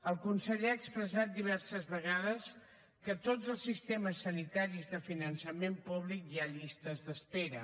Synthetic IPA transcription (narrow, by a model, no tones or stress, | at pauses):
əlˠkunsəʎeaːkspɾəzat̪̚d̪iβ̞ɛɾsəzβəɣ̞aðəs | kət̪od͡zəlˠsːist̪eməsːənit̪aɾizðəfinənsəmempuβlikjaʎist̪əzðəspeɾə